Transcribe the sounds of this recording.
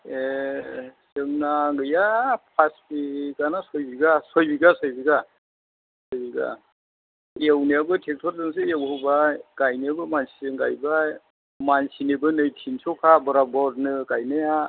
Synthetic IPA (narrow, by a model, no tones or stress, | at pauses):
e | sɯŋnaɡɯjapʰaspiɡanasɔjbiɡasɔjbiɡasɔjbiɡa | sɔjbiɡa̰ | ewnijabɯtʰek̚spʰaɾsɯns̬ɯewhɯbajɡ̥ajniabɯmansiɯŋɡajbaj | mansinebɯnɯjtʰinsɔkʰabɔɾabɔd̚nɯkajnɯja